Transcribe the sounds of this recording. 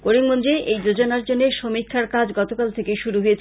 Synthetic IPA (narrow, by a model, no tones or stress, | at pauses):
koɾiŋmond͡ʑeʔejd͡ʑod͡ʑonaɾd͡ʑonːeʃomikʰːaɾkad͡ʑɡɔt̪okalt̪ʰekejʃuɾuɦojet͡ɕʰ